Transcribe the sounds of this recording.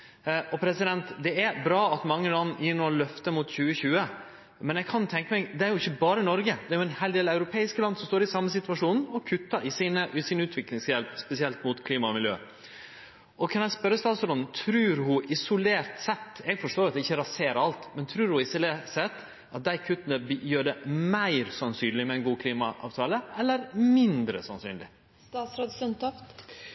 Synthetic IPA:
ʔɔpʰɾɛsɪd̪ɛnt̪d̪ɛæbɾɑːɑt̪mɑŋːəlɑnːjiːɳolœft̪əmʊt̪çʉːəçʉːə | mɛnɛɡkʰɑnt̪ʰɛŋkəmɛɪd̪ɛæɾjʊɪçːəbɑːɾənɔɾɡəd̪ɛæɾjʊɛnheɪld̪eːlæʉɾʊpʰeːɪskəlɑnd̪sɔmst̪oːɾɪsɑmːəsɪt̪ʉʋɑʂuːnn̩ɔkʰʉt̪ːɑɾʔɪsiːnəʔsɪnʉːt̪ʋɪklɪŋsjɛlpspɛsɪɛlt̪mʊt̪kʰliːmɑmɪljø̰ː | ʔɔkʰɑnjɛæspœɾəst̪ɑːt̪sɾot̪ʰɾʉːɾhʊʔɪsʊleːɾt̪sɛt̪ːɛɡfɔʂʈoːɾɑt̪̚d̪ɛɪçːəɾɑseːɾəɾɑlt̪mɛnt̪ʰɾʉːɾhʊɪsʊleːsɛt̪ː | ʔɑt̪̚d̪æɪkʰʉt̪ːənəbjøːɖɛmæɪɾsɑnsyːnlɪmɛɛɪnɡuːkʰliːmɑʔɑ̰ːʋt̪ʰɑːləʔɛlːəɾmɪnd̪ɾə̰sɑnsy̰ːnlɪ̰ | st̪ɑːt̪sɾoːd̪snt̪ɔft̪

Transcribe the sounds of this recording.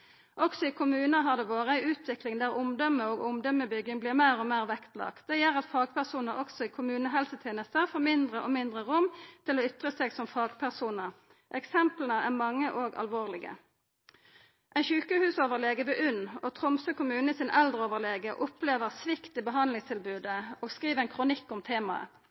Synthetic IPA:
ʔɔksɔɪkʰʊmʉːnəɦɑʁd̪ɛːʋoːʁəæɪʉːt̪ʰʋɪklɪŋd̪æːʁʊmd̪ɔmːəoːɡʊmd̪ɔməbʏɡɪŋbliːʁmæːʁɔmeːʁʋɛkt̪lɑ̰ːk̪̚d̪ɛjɛɾɑt̪fɑːɡpʰæʁsuːnəʁɔɡsɔiːkʰʊmʉːnəɦɛlsət̪ʰeːnəst̪əfɔːmɪnd̪ʁəʔomɪnd̪ʁəʁʊmt̪ʰɪloːʏt̪ʁəseːɡsɔmfɑːɡpʰæʁsuːnəʁ | ʔɛksɛmplənəæʁmɑŋːəʔoːɡɑ̰lʋoːʁlɪɡə̰ | ʔɛɪnçʉːkəhʉːsoːʋəʁleːɡəʋɛʔʉnːɔt̪ʰʁʊmsəkʊmʉːnəɪsɪnʔɛld̪ʁəoːʋəʁleːɡəʔʊpleːʋəʁsʋɪkt̪əbəɦɑnd̪lɪŋst̪ʰɪlbʉːd̪əoːɡskʁiːʋəɛɪnkʰʁʊnɪkːʊmt̪ʰeːmɑə̰

